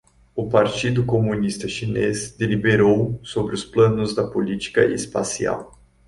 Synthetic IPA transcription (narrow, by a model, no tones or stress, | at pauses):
ʊpaɾt͡ʃid̪ʊkomũnist̪ɐʃinezd̪elibeɾowsobɾɪʊsplɐ̃nʊzd̪ɐpolit͡ʃi̥kɐ̰ʔɪ̰spasia̰w